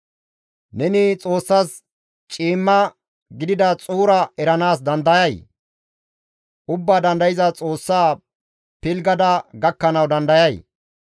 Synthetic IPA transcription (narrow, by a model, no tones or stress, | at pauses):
nɛnɪt͡sʼo̞ːsːas | t͡ʃʼiːmːɐ | ɡɪd̪ɪd̪ɐt͡sʼuːɾɐɛɾɐnaːs̬d̪ɐnd̪ɐjɐj | ʔʊbːaːd̪ɐnd̪ɐjɪzɐt͡sʼo̞ːsːaː | pɪlɡɐd̪ɐɡɐkːɐnɐwd̪ɐnd̪ɐjɐj